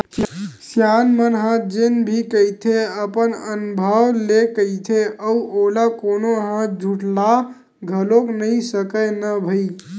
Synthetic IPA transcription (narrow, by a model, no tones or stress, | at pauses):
sjanmənɦə̃d͡ʒenbʱikəjt̪ʰeəpənənubʱəʋlekəjt̪ʰeəuʔolakonoɦãd͡ʒʱuʈla | ɡʱəloknəisəkənəbʱəi